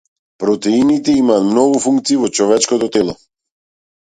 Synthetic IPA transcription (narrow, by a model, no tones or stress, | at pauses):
pɾɔt̪ɛinit̪ɛimaːt̪mnɔɡufuŋkt̪siːvɔt͡ʃɔvɛt͡ʃkɔt̪ɔt̪ɛlˠɔ